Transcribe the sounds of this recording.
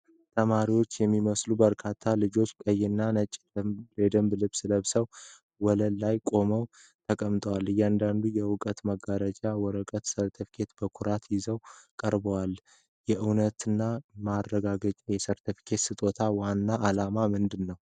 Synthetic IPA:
t̪ʰəmaɾiwo̞t͡ʃːjɛmːiməslubəɾkʰat̪ʰːalɨd͡ʒo̞t͡ʃːkʼəjːɪnːanət͡ʃʼ | led̪əmblɨβsɨləβsəw | wɔləlːajkʼo̞məw | t̪ʰəkʼəmt̪ʼəwalːɨjand̪and̪ujɛwʊkʼət̪məɡaɾət͡ʃʼawɔɾəkʼət̪səɾt̪ʰɨfkʰe̞t̪bəkʰʊɾat̪jɪzəwkʼəɾbəwal | jɛʔɨwnət̪ɨnːamarːəɡaɡət͡ʃʼjɛsəɾt̪ʰɨfkʰe̞t̪sɨt̪ʼo̞t̪ʰawanːaʔːlamamɨnd̪ɨnːəw

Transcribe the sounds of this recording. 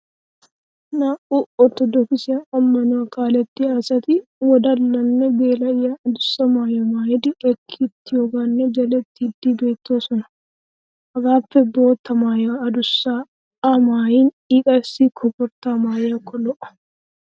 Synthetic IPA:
naʔuːʔɔt̪ɔd̪ɔkɪsɪɐʔɐmːɐnʊwɐkaːlɛt̪ːɪaːsɐt̪ɪwɔd̪ɐlːɐnːɛbeːlɐjaːɐd̪ʊsːɐmaːjɔmaːjɪd̪ɪɛkʰːɪt̪ːɪjɔɡanːɛd͡ʒɐlɛt̪ːɪːd̪ːiːbeːt̪ːoːsɔnɐ̥ | hɐɡaːfːɛbo̞ːt̪ːɐmaːjaːɐd̪ʊsːa | amaːjiːn | iːkʼɐsiːkʰɔpɔɾt̪aːmaːjakːɔlɔʔɐ̥

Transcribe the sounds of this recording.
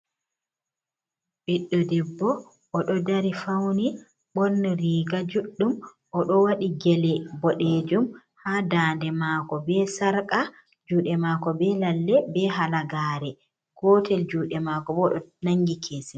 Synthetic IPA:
ɓiɗːɔdɛbːɔ | ʔɔɗɔdaɾifawni | ɓɔɾniɾiːɡad͡ʒuɗːum | ʔɔɗɔwaɗiɡɛlɛbɔɗeːd͡ʒum | haːdaːndɛmaːkɔbɛsaɾkʼa | d͡ʒuːɗɛmaːkɔbɛlalːɛbɛɦalaɡaːɾɛ | kɔːtʰɛld͡ʒuːɗɛmakɔbɔɗɔnaŋɡikʰeːsi

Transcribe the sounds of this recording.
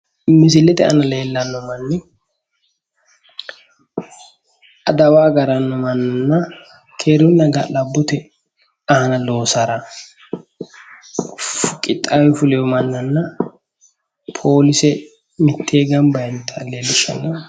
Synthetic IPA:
mɪs̬ɪlːɛt̪ɛʔɐ̰nɐleːlːɐnːɔmɐnːɪ | ʔɐd̪ɐwaːɡɐɾɐnːɔmɐnːɐnːɐ | kʰeːɾʊnːɐɡa̰lɐbːʊt̪ɛ | ɐhɐnɐlo̞ːsaɾɐ | fʊkʼɪt̪ʼːaːwɛfʊlɛjɔmɐnːɐnːɐ | pʰo̞ːlɪsɛ | mɪt̪ʰːeːɡɐmbɐjɛnt̪ːɛɐleːlːɪʃːɐ̰nːɐ

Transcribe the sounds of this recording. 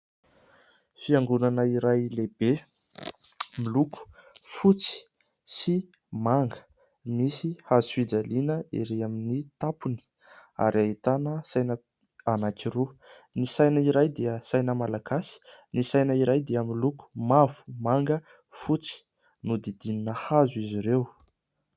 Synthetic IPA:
fiaŋɡunanəiɾajleb̥e | miluku̥fut͡si̥ | si | maŋɡə̥ | misihazuid͡zalinəḛɾeaminit̪apuni̥ | a̰ɾiaɦit̪anəsajnə | anakʲiɾunisajnəiɾajd̪iəsajnəmalaɡasi̥nisajnəiɾajd̪iəmiluku̥mavu̥maŋɡə | fut͡si̥ | nud̪id̪ininəhazuiziɾew

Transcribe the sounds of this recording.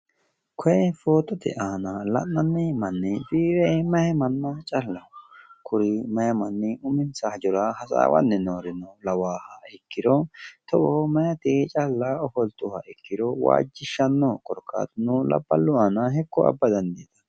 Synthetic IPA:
kʰɔjɛfoːt̪ɔt̪ɛ̰ʔaːnɐlɐ̰ʔnɐnːɛmɐnːɛbiːɾɛmɐhɛmɐnːɐt͡ʃʼɐlːɐkʰʊɾɪmɐjɐmɐnːɛʊmɪnsɐhɐd͡ʒɔɾɐhɐsa̰ːwɐ̰nːɛnoːɾɪnɔlɐwaːhɐɪkːɪd̪ɔt̪ɔʔɔhmɐjɐt̪ɪt͡ʃʼɐlːɐɔfɔlt̪ʊhɐɪkːɪd̪ɔwa̰ːd͡ʒːɪʃːɐnːɔkʼɔɾkʰːa̰ːt̪nulɐ̰bːɐ̰lːʊaːnɐɦɛkːɔɐ̰bːɐd̪ɐnd̪id̪ɐ̥

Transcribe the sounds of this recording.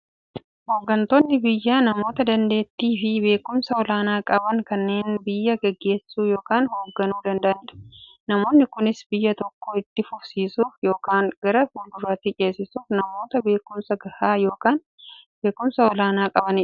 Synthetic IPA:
ho̞ːɡːɐnt̪o̞ːnːɪbɪjːaːnɐmo̞ːt̪ɐd̪ɐnd̪e̞ːt̪ːiːfɪbe̞ːkʊmsɐɔlaːnaːkʼɐbɐŋkɐnːe̞ːnbɪjːɐɡɛɡːe̞ːsuːjo̞ːkaːnhoːɡːɐnuːd̪ɐnd̪ɐʔɐnɪɐ̥ | nɐmo̞ːnːɪkʊnɪsbɪjːɐt̪ɔkːoɪt̪ːɪfʊfsiːsuːfjo̞ːkaːŋɡ̥ɐɾɐhuːld̪ʊɾaːt̪ːit͡ʃʼe̞ːsɪsuːfnɐmo̞ːt̪ɐbe̞ːkʊmsɐɡɐhaːjo̞ːkaːn | be̞ːkːʊmsɐwɔlaːnaːkʼɐbɐnɪᶑ

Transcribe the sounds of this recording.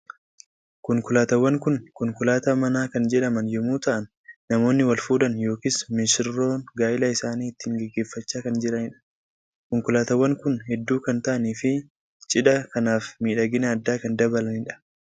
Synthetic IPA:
kʊŋkʊlaːt̪ɐwːɐŋkʊnkʊŋkʊlaːt̪aːmɐnaːkɐnd͡ʒɛᶑɐmɐnjɛmuːt̪ɐʔɐnː | ɐmo̞ːnːɪwɐlfuːd̪ɐnjo̞ːkismɪsɪrːo̞ːnɡaːʔɪlaɪsaːniːɪt̪ːiːŋɡɛɡːe̞ːfːɐt͡ʃːaːkɐnd͡ʒɛᶑɐnɪᶑɐ̥ | kʊŋkʊlaːt̪ɐwːɐŋkʊnhɛd̪ːuːkɐnt̪ɐʔɐniːfɪ | t͡ʃʼɪᶑɐkɐnaːfmiːᶑɐɡɪnɐːd̪ːaːkɐnd̪ɐbɐlɐnɪᶑɐ̥

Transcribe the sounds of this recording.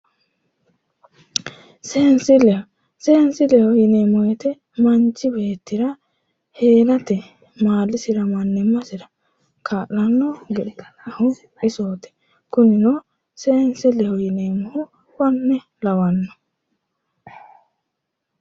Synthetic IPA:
seːnsɪlɛ | seːnsɪlɛhɔjɪneːmːɔjɛt̪ɛ | mɐnt͡ʃːɪbe̞ːt̪ːɪɾɐ | he̞ːlɐt̪ɛ | maːlːɪsɪɾɐmɐnːɛmːɐsɪɾɐ | kʰaːʔːɐnːɔɡɛᶑɪt̪ | ɐhʊ | ɪsoːt̪ɛ̥ | kʊnːɪno | seːnsɪlɛhɔjɪnemːɔhʊ | wɔnːɛ | lɐwɐnːɔ̥

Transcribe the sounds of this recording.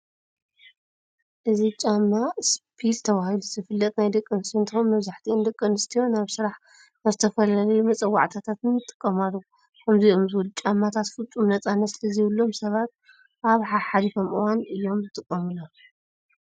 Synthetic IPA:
ʔɨzit͡ʃʼamːaspʰilt̪ʰɐβahiluzɨfɨlːɐt̪najd̪ɐkʼːɨnst̪ʰɨnt̪ʰomːɐβzaħt̪ʰiʔɨnd̪ɐkʼːɨnɨst̪ʰijo̞naβsɨɾaħ | nazɨt̪ʰɐfɐlalɐjumɐt͡sʼɐwa̰ʕt̪ʰat̪ʰat̪nɨmɨt̪ʼɨ̥kʼːɐmalːɐu | kʰɐmziomzɨβulut͡ʃʼamːat̪ʰat̪fɨlt͡sʼumnɐt͡sʼanːɐt̪sɨlɐziβɨlːo̞msɐβat̪̚ | ʔaβħaħalifo̞mʔɨwanɨjːo̞mzɨt̪ʼɨkʼːɐmɨlo

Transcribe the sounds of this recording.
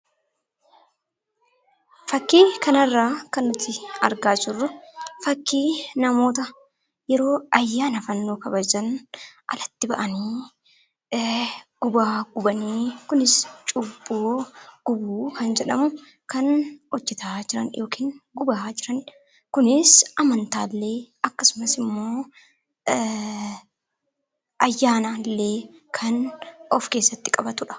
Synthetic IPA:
fɐkːiːkɐnɐrːaːkɐnːʊt̪ːɪɐ̰ɾɡaːd͡ʒɪrːʊfɐkːiːnɐmo̞ːt̪ɐ | jɛɾo̞ːɐjːaːnɐfɐnːoːkɐbɐd͡ʒɐnʔɐ̰lɐt̪ːɪbɐʔɐniː | ɡ̥ʊbaːɡʊbɐniːkʊnɪst͡ʃʼʊbːuːɡ̥ʊbuːkɐnd͡ʒɛᶑɐmʊ | kɐnɔd͡ʒːɛt̪aːd͡ʒɪɾɐ̰njo̞ːkʰiːnɡʊbaːd͡ʒɪɾɐn | kʊnɪsɐmɐnt̪aːlːe̞ːɐkːɐsʊmɐsɪmːo̞ː | ʔɐjːaːnaːlːeːkʰɐnɔfke̞ːsːɐt̪ːɪkʼɐbɐt̪ʊᶑɐ̥

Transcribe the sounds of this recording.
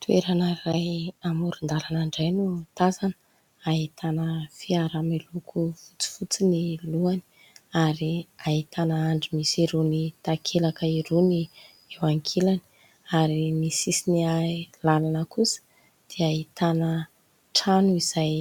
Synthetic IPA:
t̪ʰueɾanərajamuɾund̪alanaɳɖ͡ʐajnut̪azanə̥ | aɦit̪anəfiaɾamelukʰufut͡si̥fut͡siniluani̥ | aɾiaɦit̪ʰanəaɳɖ͡ʐimisiɾunit̪akʰelakəiɾuni | ewaŋkʰelani̥ | aɾimisisinialalanəkusə̥ | d̪̥eait̪anə | ʈ͡ʂanuiz̥aj

